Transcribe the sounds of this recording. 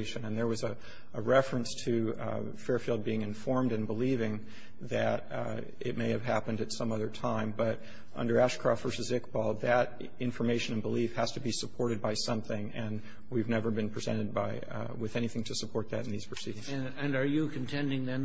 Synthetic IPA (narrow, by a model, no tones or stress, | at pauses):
ɪʃɨ̃nɨ̃nðə˞wʌzɨ | əɹɛfɹɨ̃nstʰɨ | fɛɹfilˠd̚biɪ̃ŋɨ̃ɱfɔɹmdɨ̃nbəlivɪ̃ŋ | ðɨɾ | ɪ̰t̚meɪɨv̥ɦæpɨ̃ndɨtsʌ̃mʌðə˞tʰãɪ̃mbʌɾ | ʔʌ̰̃ndə˞æʃkʰɹ̥ɑftv̥ɜ˞sɨzɪkb̥ɔlˠðɨɾ | ɪ̃ɱfə˞meɪʃɨ̃nɨ̃nbəlifhɨz̥tʰɨbisəpʰɔɹɾɨd̚baɪsʌ̃mθɪ̃ŋɨ̃n | wivnɛvə˞bɨ̃npʰɹ̥izɛ̰̃ɾ̃ɨd̚ba̰ɪ | wɨðɛñiθɪ̃ŋtʰɨsəpʰɔɹt̪̚ðɨ̰ɾn̩ðiz̥pʰɹ̥ɨsiɾɪ̃ŋz | ɨ̃nə˞jɨkʰn̩tʰɛ̃ndɪ̃ŋðɨ̃n